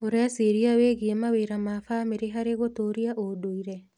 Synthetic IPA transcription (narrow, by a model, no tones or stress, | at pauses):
oɾeaseɾiaweɣiemaweɾamafameɾeɦaɾeɣotoɾiaʔodoiɾɛ